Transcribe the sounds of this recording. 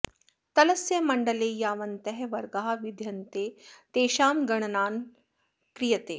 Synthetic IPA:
t̪ɐlɐsjɐmɐɳɖɐleːjaːʋɐnt̪ɐɦɛʋɐɾɡaːɦaʋid̪ʱjɐnt̪eːt̪eːʃaːmɡɐɽ̃ɐnaːn | kɾijɐt̪eː

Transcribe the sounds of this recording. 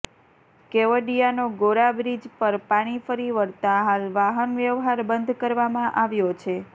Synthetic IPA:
keʋəɖijanoɡoɾabɾid͡ʒpəɾpaɽ̃ifəɾiʋəɾt̪aɦalʋaɦənʋjəʋɦaɾbənd̪ʱkəɾʋamãʔaʋjot͡ʃʰe

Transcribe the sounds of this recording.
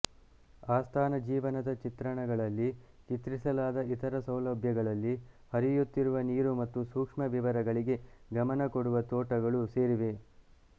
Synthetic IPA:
aːst̪ʰaːnɐd͡ʒiːʋɐnɐd̪ɐt͡ʃit̪ɾɐɳɐɡɐɭɐlːi | t͡ʃit̪ɾisɐlaːd̪ɐit̪ʰɐɾɐsɐwlɐbʱjɐɡɐɭɐlːi | hɐɾijut̪ːiɾuʋɐniːɾumɐt̪ːusuːkʂmɐʋiʋɐɾɐɡɐɭiɡe̞ɡɐmɐnɐkoɽuʋɐt̪oːʈɐɡɐɭuse̞ːɾiʋe̞

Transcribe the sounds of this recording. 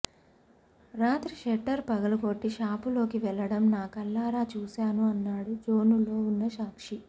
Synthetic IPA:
ɾaːt̪ɾiʂɛʈːɐɾpɐɡɐlɐɡo̞ʈːiʃaːpulo̞ːkiʋɛɭːɐɽɐmnaːkɐlːaːɾaːt͡ʃuːsaːnuɐnːaːɽud͡ʒo̞ːnulo̞ːunːɐʃaːkʂi

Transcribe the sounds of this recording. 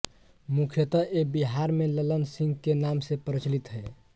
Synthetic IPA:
mukʰjət̪əʔebiɦaɾmelələnsĩŋɡkenamsepɾət͡ʃlit̪ɦɛ

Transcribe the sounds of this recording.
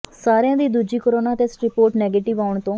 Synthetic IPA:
saːɾjãːd̪iːd̪uːd͡ʒiːkoɾoːnaːt̪eːsʈɾiːpoːɾʈnɛːɡeːʈɪʋaːʊɳt̪õː

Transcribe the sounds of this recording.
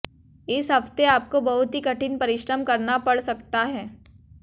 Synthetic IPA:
ɪsɦɐft̪eaːp̚kobɐɦʊt̪ɦikɐʈʰɪnpɐɾɪʃɾəmkɐɾnapɐɽsɐk̚t̪aɦɛː

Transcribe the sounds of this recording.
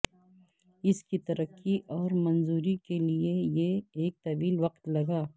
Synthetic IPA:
ɪskit̪ɐɾəkːiʔɔːɾmɐnzuːɾikeliejeeːk̚t̪ɐʋiːlwɐqt̪lɐɡaː

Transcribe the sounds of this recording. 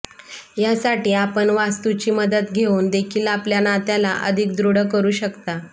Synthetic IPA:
jasaʈiːapəɳʋast̪ut͡ɕiːməd̪ət̪ɡʱeund̪ekʰiːlapljanat̪jalaʔə̰d̪ʱikd̪ɾuɽəkəɾuːɕəkt̪a

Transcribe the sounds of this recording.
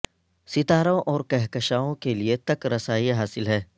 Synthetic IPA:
sɪt̪aːɾõʔɔːɾkɛɦkəʃaːõkeliet̪ɐkɾɐsaːiɦaːsɪlɦɛː

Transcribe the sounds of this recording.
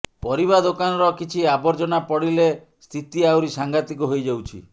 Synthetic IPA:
pɔɾiβad̪okanɔɾɔkit͡ʃʰiabɔɾd͡ʒɔnapɔɽile | st̪ʰit̪iawɾisaŋɡat̪ikuɦojd͡ʒawt͡ʃʰḭ

